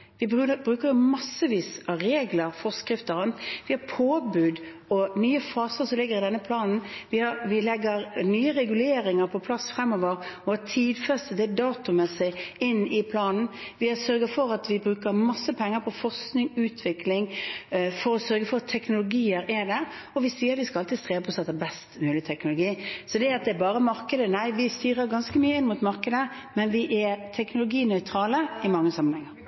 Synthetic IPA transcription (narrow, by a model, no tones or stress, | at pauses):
ʋɪbbɾʉːkəɾjʊmɑsːəʋiːsɑʋɾeːɡləɾfɔʁskɾɪft̪əʁɑnt̪ʋɪhɑpʰoːbʉːd̪ | ɔnyːəfɑːsəɾsɔmlɪɡːəɾɪd̪ɛnːəpʰlɑːnn̩ʋɪhɑʋɪlɛɡːəɾnyːəɾɛɡʉleːɾɪŋəɾpʰɔpʰlɑsfɾɛmːɔʋəɾɔɑt̪ʰiːd̪fɛst̪əd̪ɛd̪ɑːt̪ʊmɛsɪɪnːɪpʰlɑːnn̩ʋɪɛsœɾɡəfɔɾɑt̪ʋɪbɾʉːkəɾmɑsːəpʰɛŋːəɾpʰɔfɔʁsknɪŋʉːt̪ʰʋɪklɪŋ | fɔɾɔsœɾɡəfɔɾɑt̪ʰːɛknʊlʊɡiːəɾɛd̪æɾ | ɔʋɪsiːəɾt̪ʋɪskɑɑlt̪id̪st̪ʁeːʋəpʰɔsɛt̪ːəbɛst̪mʉːlɪt̪ʰɛknʊlʊɡiːsɔd̪ɛɑt̪̚d̪ɛːbɑːɾəmɑɾkəd̪ənæɪʋɪst̪yːɾəɾɡɑnskəmyːəɪnmut̪mɑʁkəd̪ə | mɛnʋɪʔɛt̪ʰɛknʊlʊɡiːnœʏt̪ʰɾɑːləɪmɑŋːəsɑmːənhɛŋːəɾ